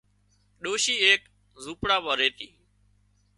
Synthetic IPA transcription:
ɗoːʃiːeːk | zuːpɽaːɓaːɾeːt̪iː

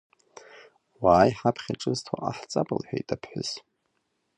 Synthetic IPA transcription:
waːjħapʰχʲaʈ͡ʂʼɨztʰoʔaħt͡sʼapʼɨlħᶣajtʼapʰħʊz

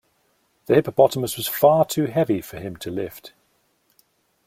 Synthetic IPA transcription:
ðəhɪpəpʰɒtəməswɒz̥fɑːtʰʉːɦɛvifəɪ̃mtʰəlɪft

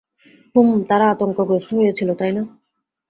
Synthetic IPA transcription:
humt̪aɾaat̪oŋkoɡɾest̪ʰoɦojet͡ɕʰilot̪ajna

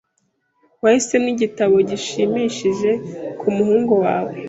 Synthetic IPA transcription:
wahise̞mniɟitaβo̞ɟiʃimiʃiʒe̞kʰumuhuːŋɡowa̰ːwe

